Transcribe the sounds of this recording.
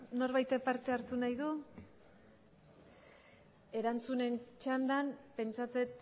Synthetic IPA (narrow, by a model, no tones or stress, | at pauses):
no̞ɾβajt̪epaɾt̪e̞aɾt̪unajðu | e̞ɾant͡sune̞nt͡ʃand̪anpe̞nt͡ʃat͡se̞t̪